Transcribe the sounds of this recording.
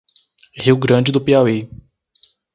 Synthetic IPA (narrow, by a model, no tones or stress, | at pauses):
ʁiwɡɾɐ̃d͡ʒɪd̪ʊpeawe